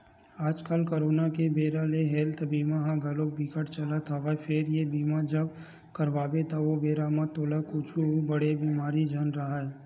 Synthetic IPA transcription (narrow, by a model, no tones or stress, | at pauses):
aːd͡ʒkəlkoɾoːnakebeːɾaleɦɛːlt̪ʰbiːmaɦãɡɐlok̚bikəʈt͡ʃəlat̪ʰaʋafʰɪɾjebiːmad͡ʒəb | kɐɾʋaːbet̪aʋobeːɾamãt̪oːlakʊt͡ʃʰubɐɽebiːmaːɾid͡ʒʱɐnɾɐɦaɛ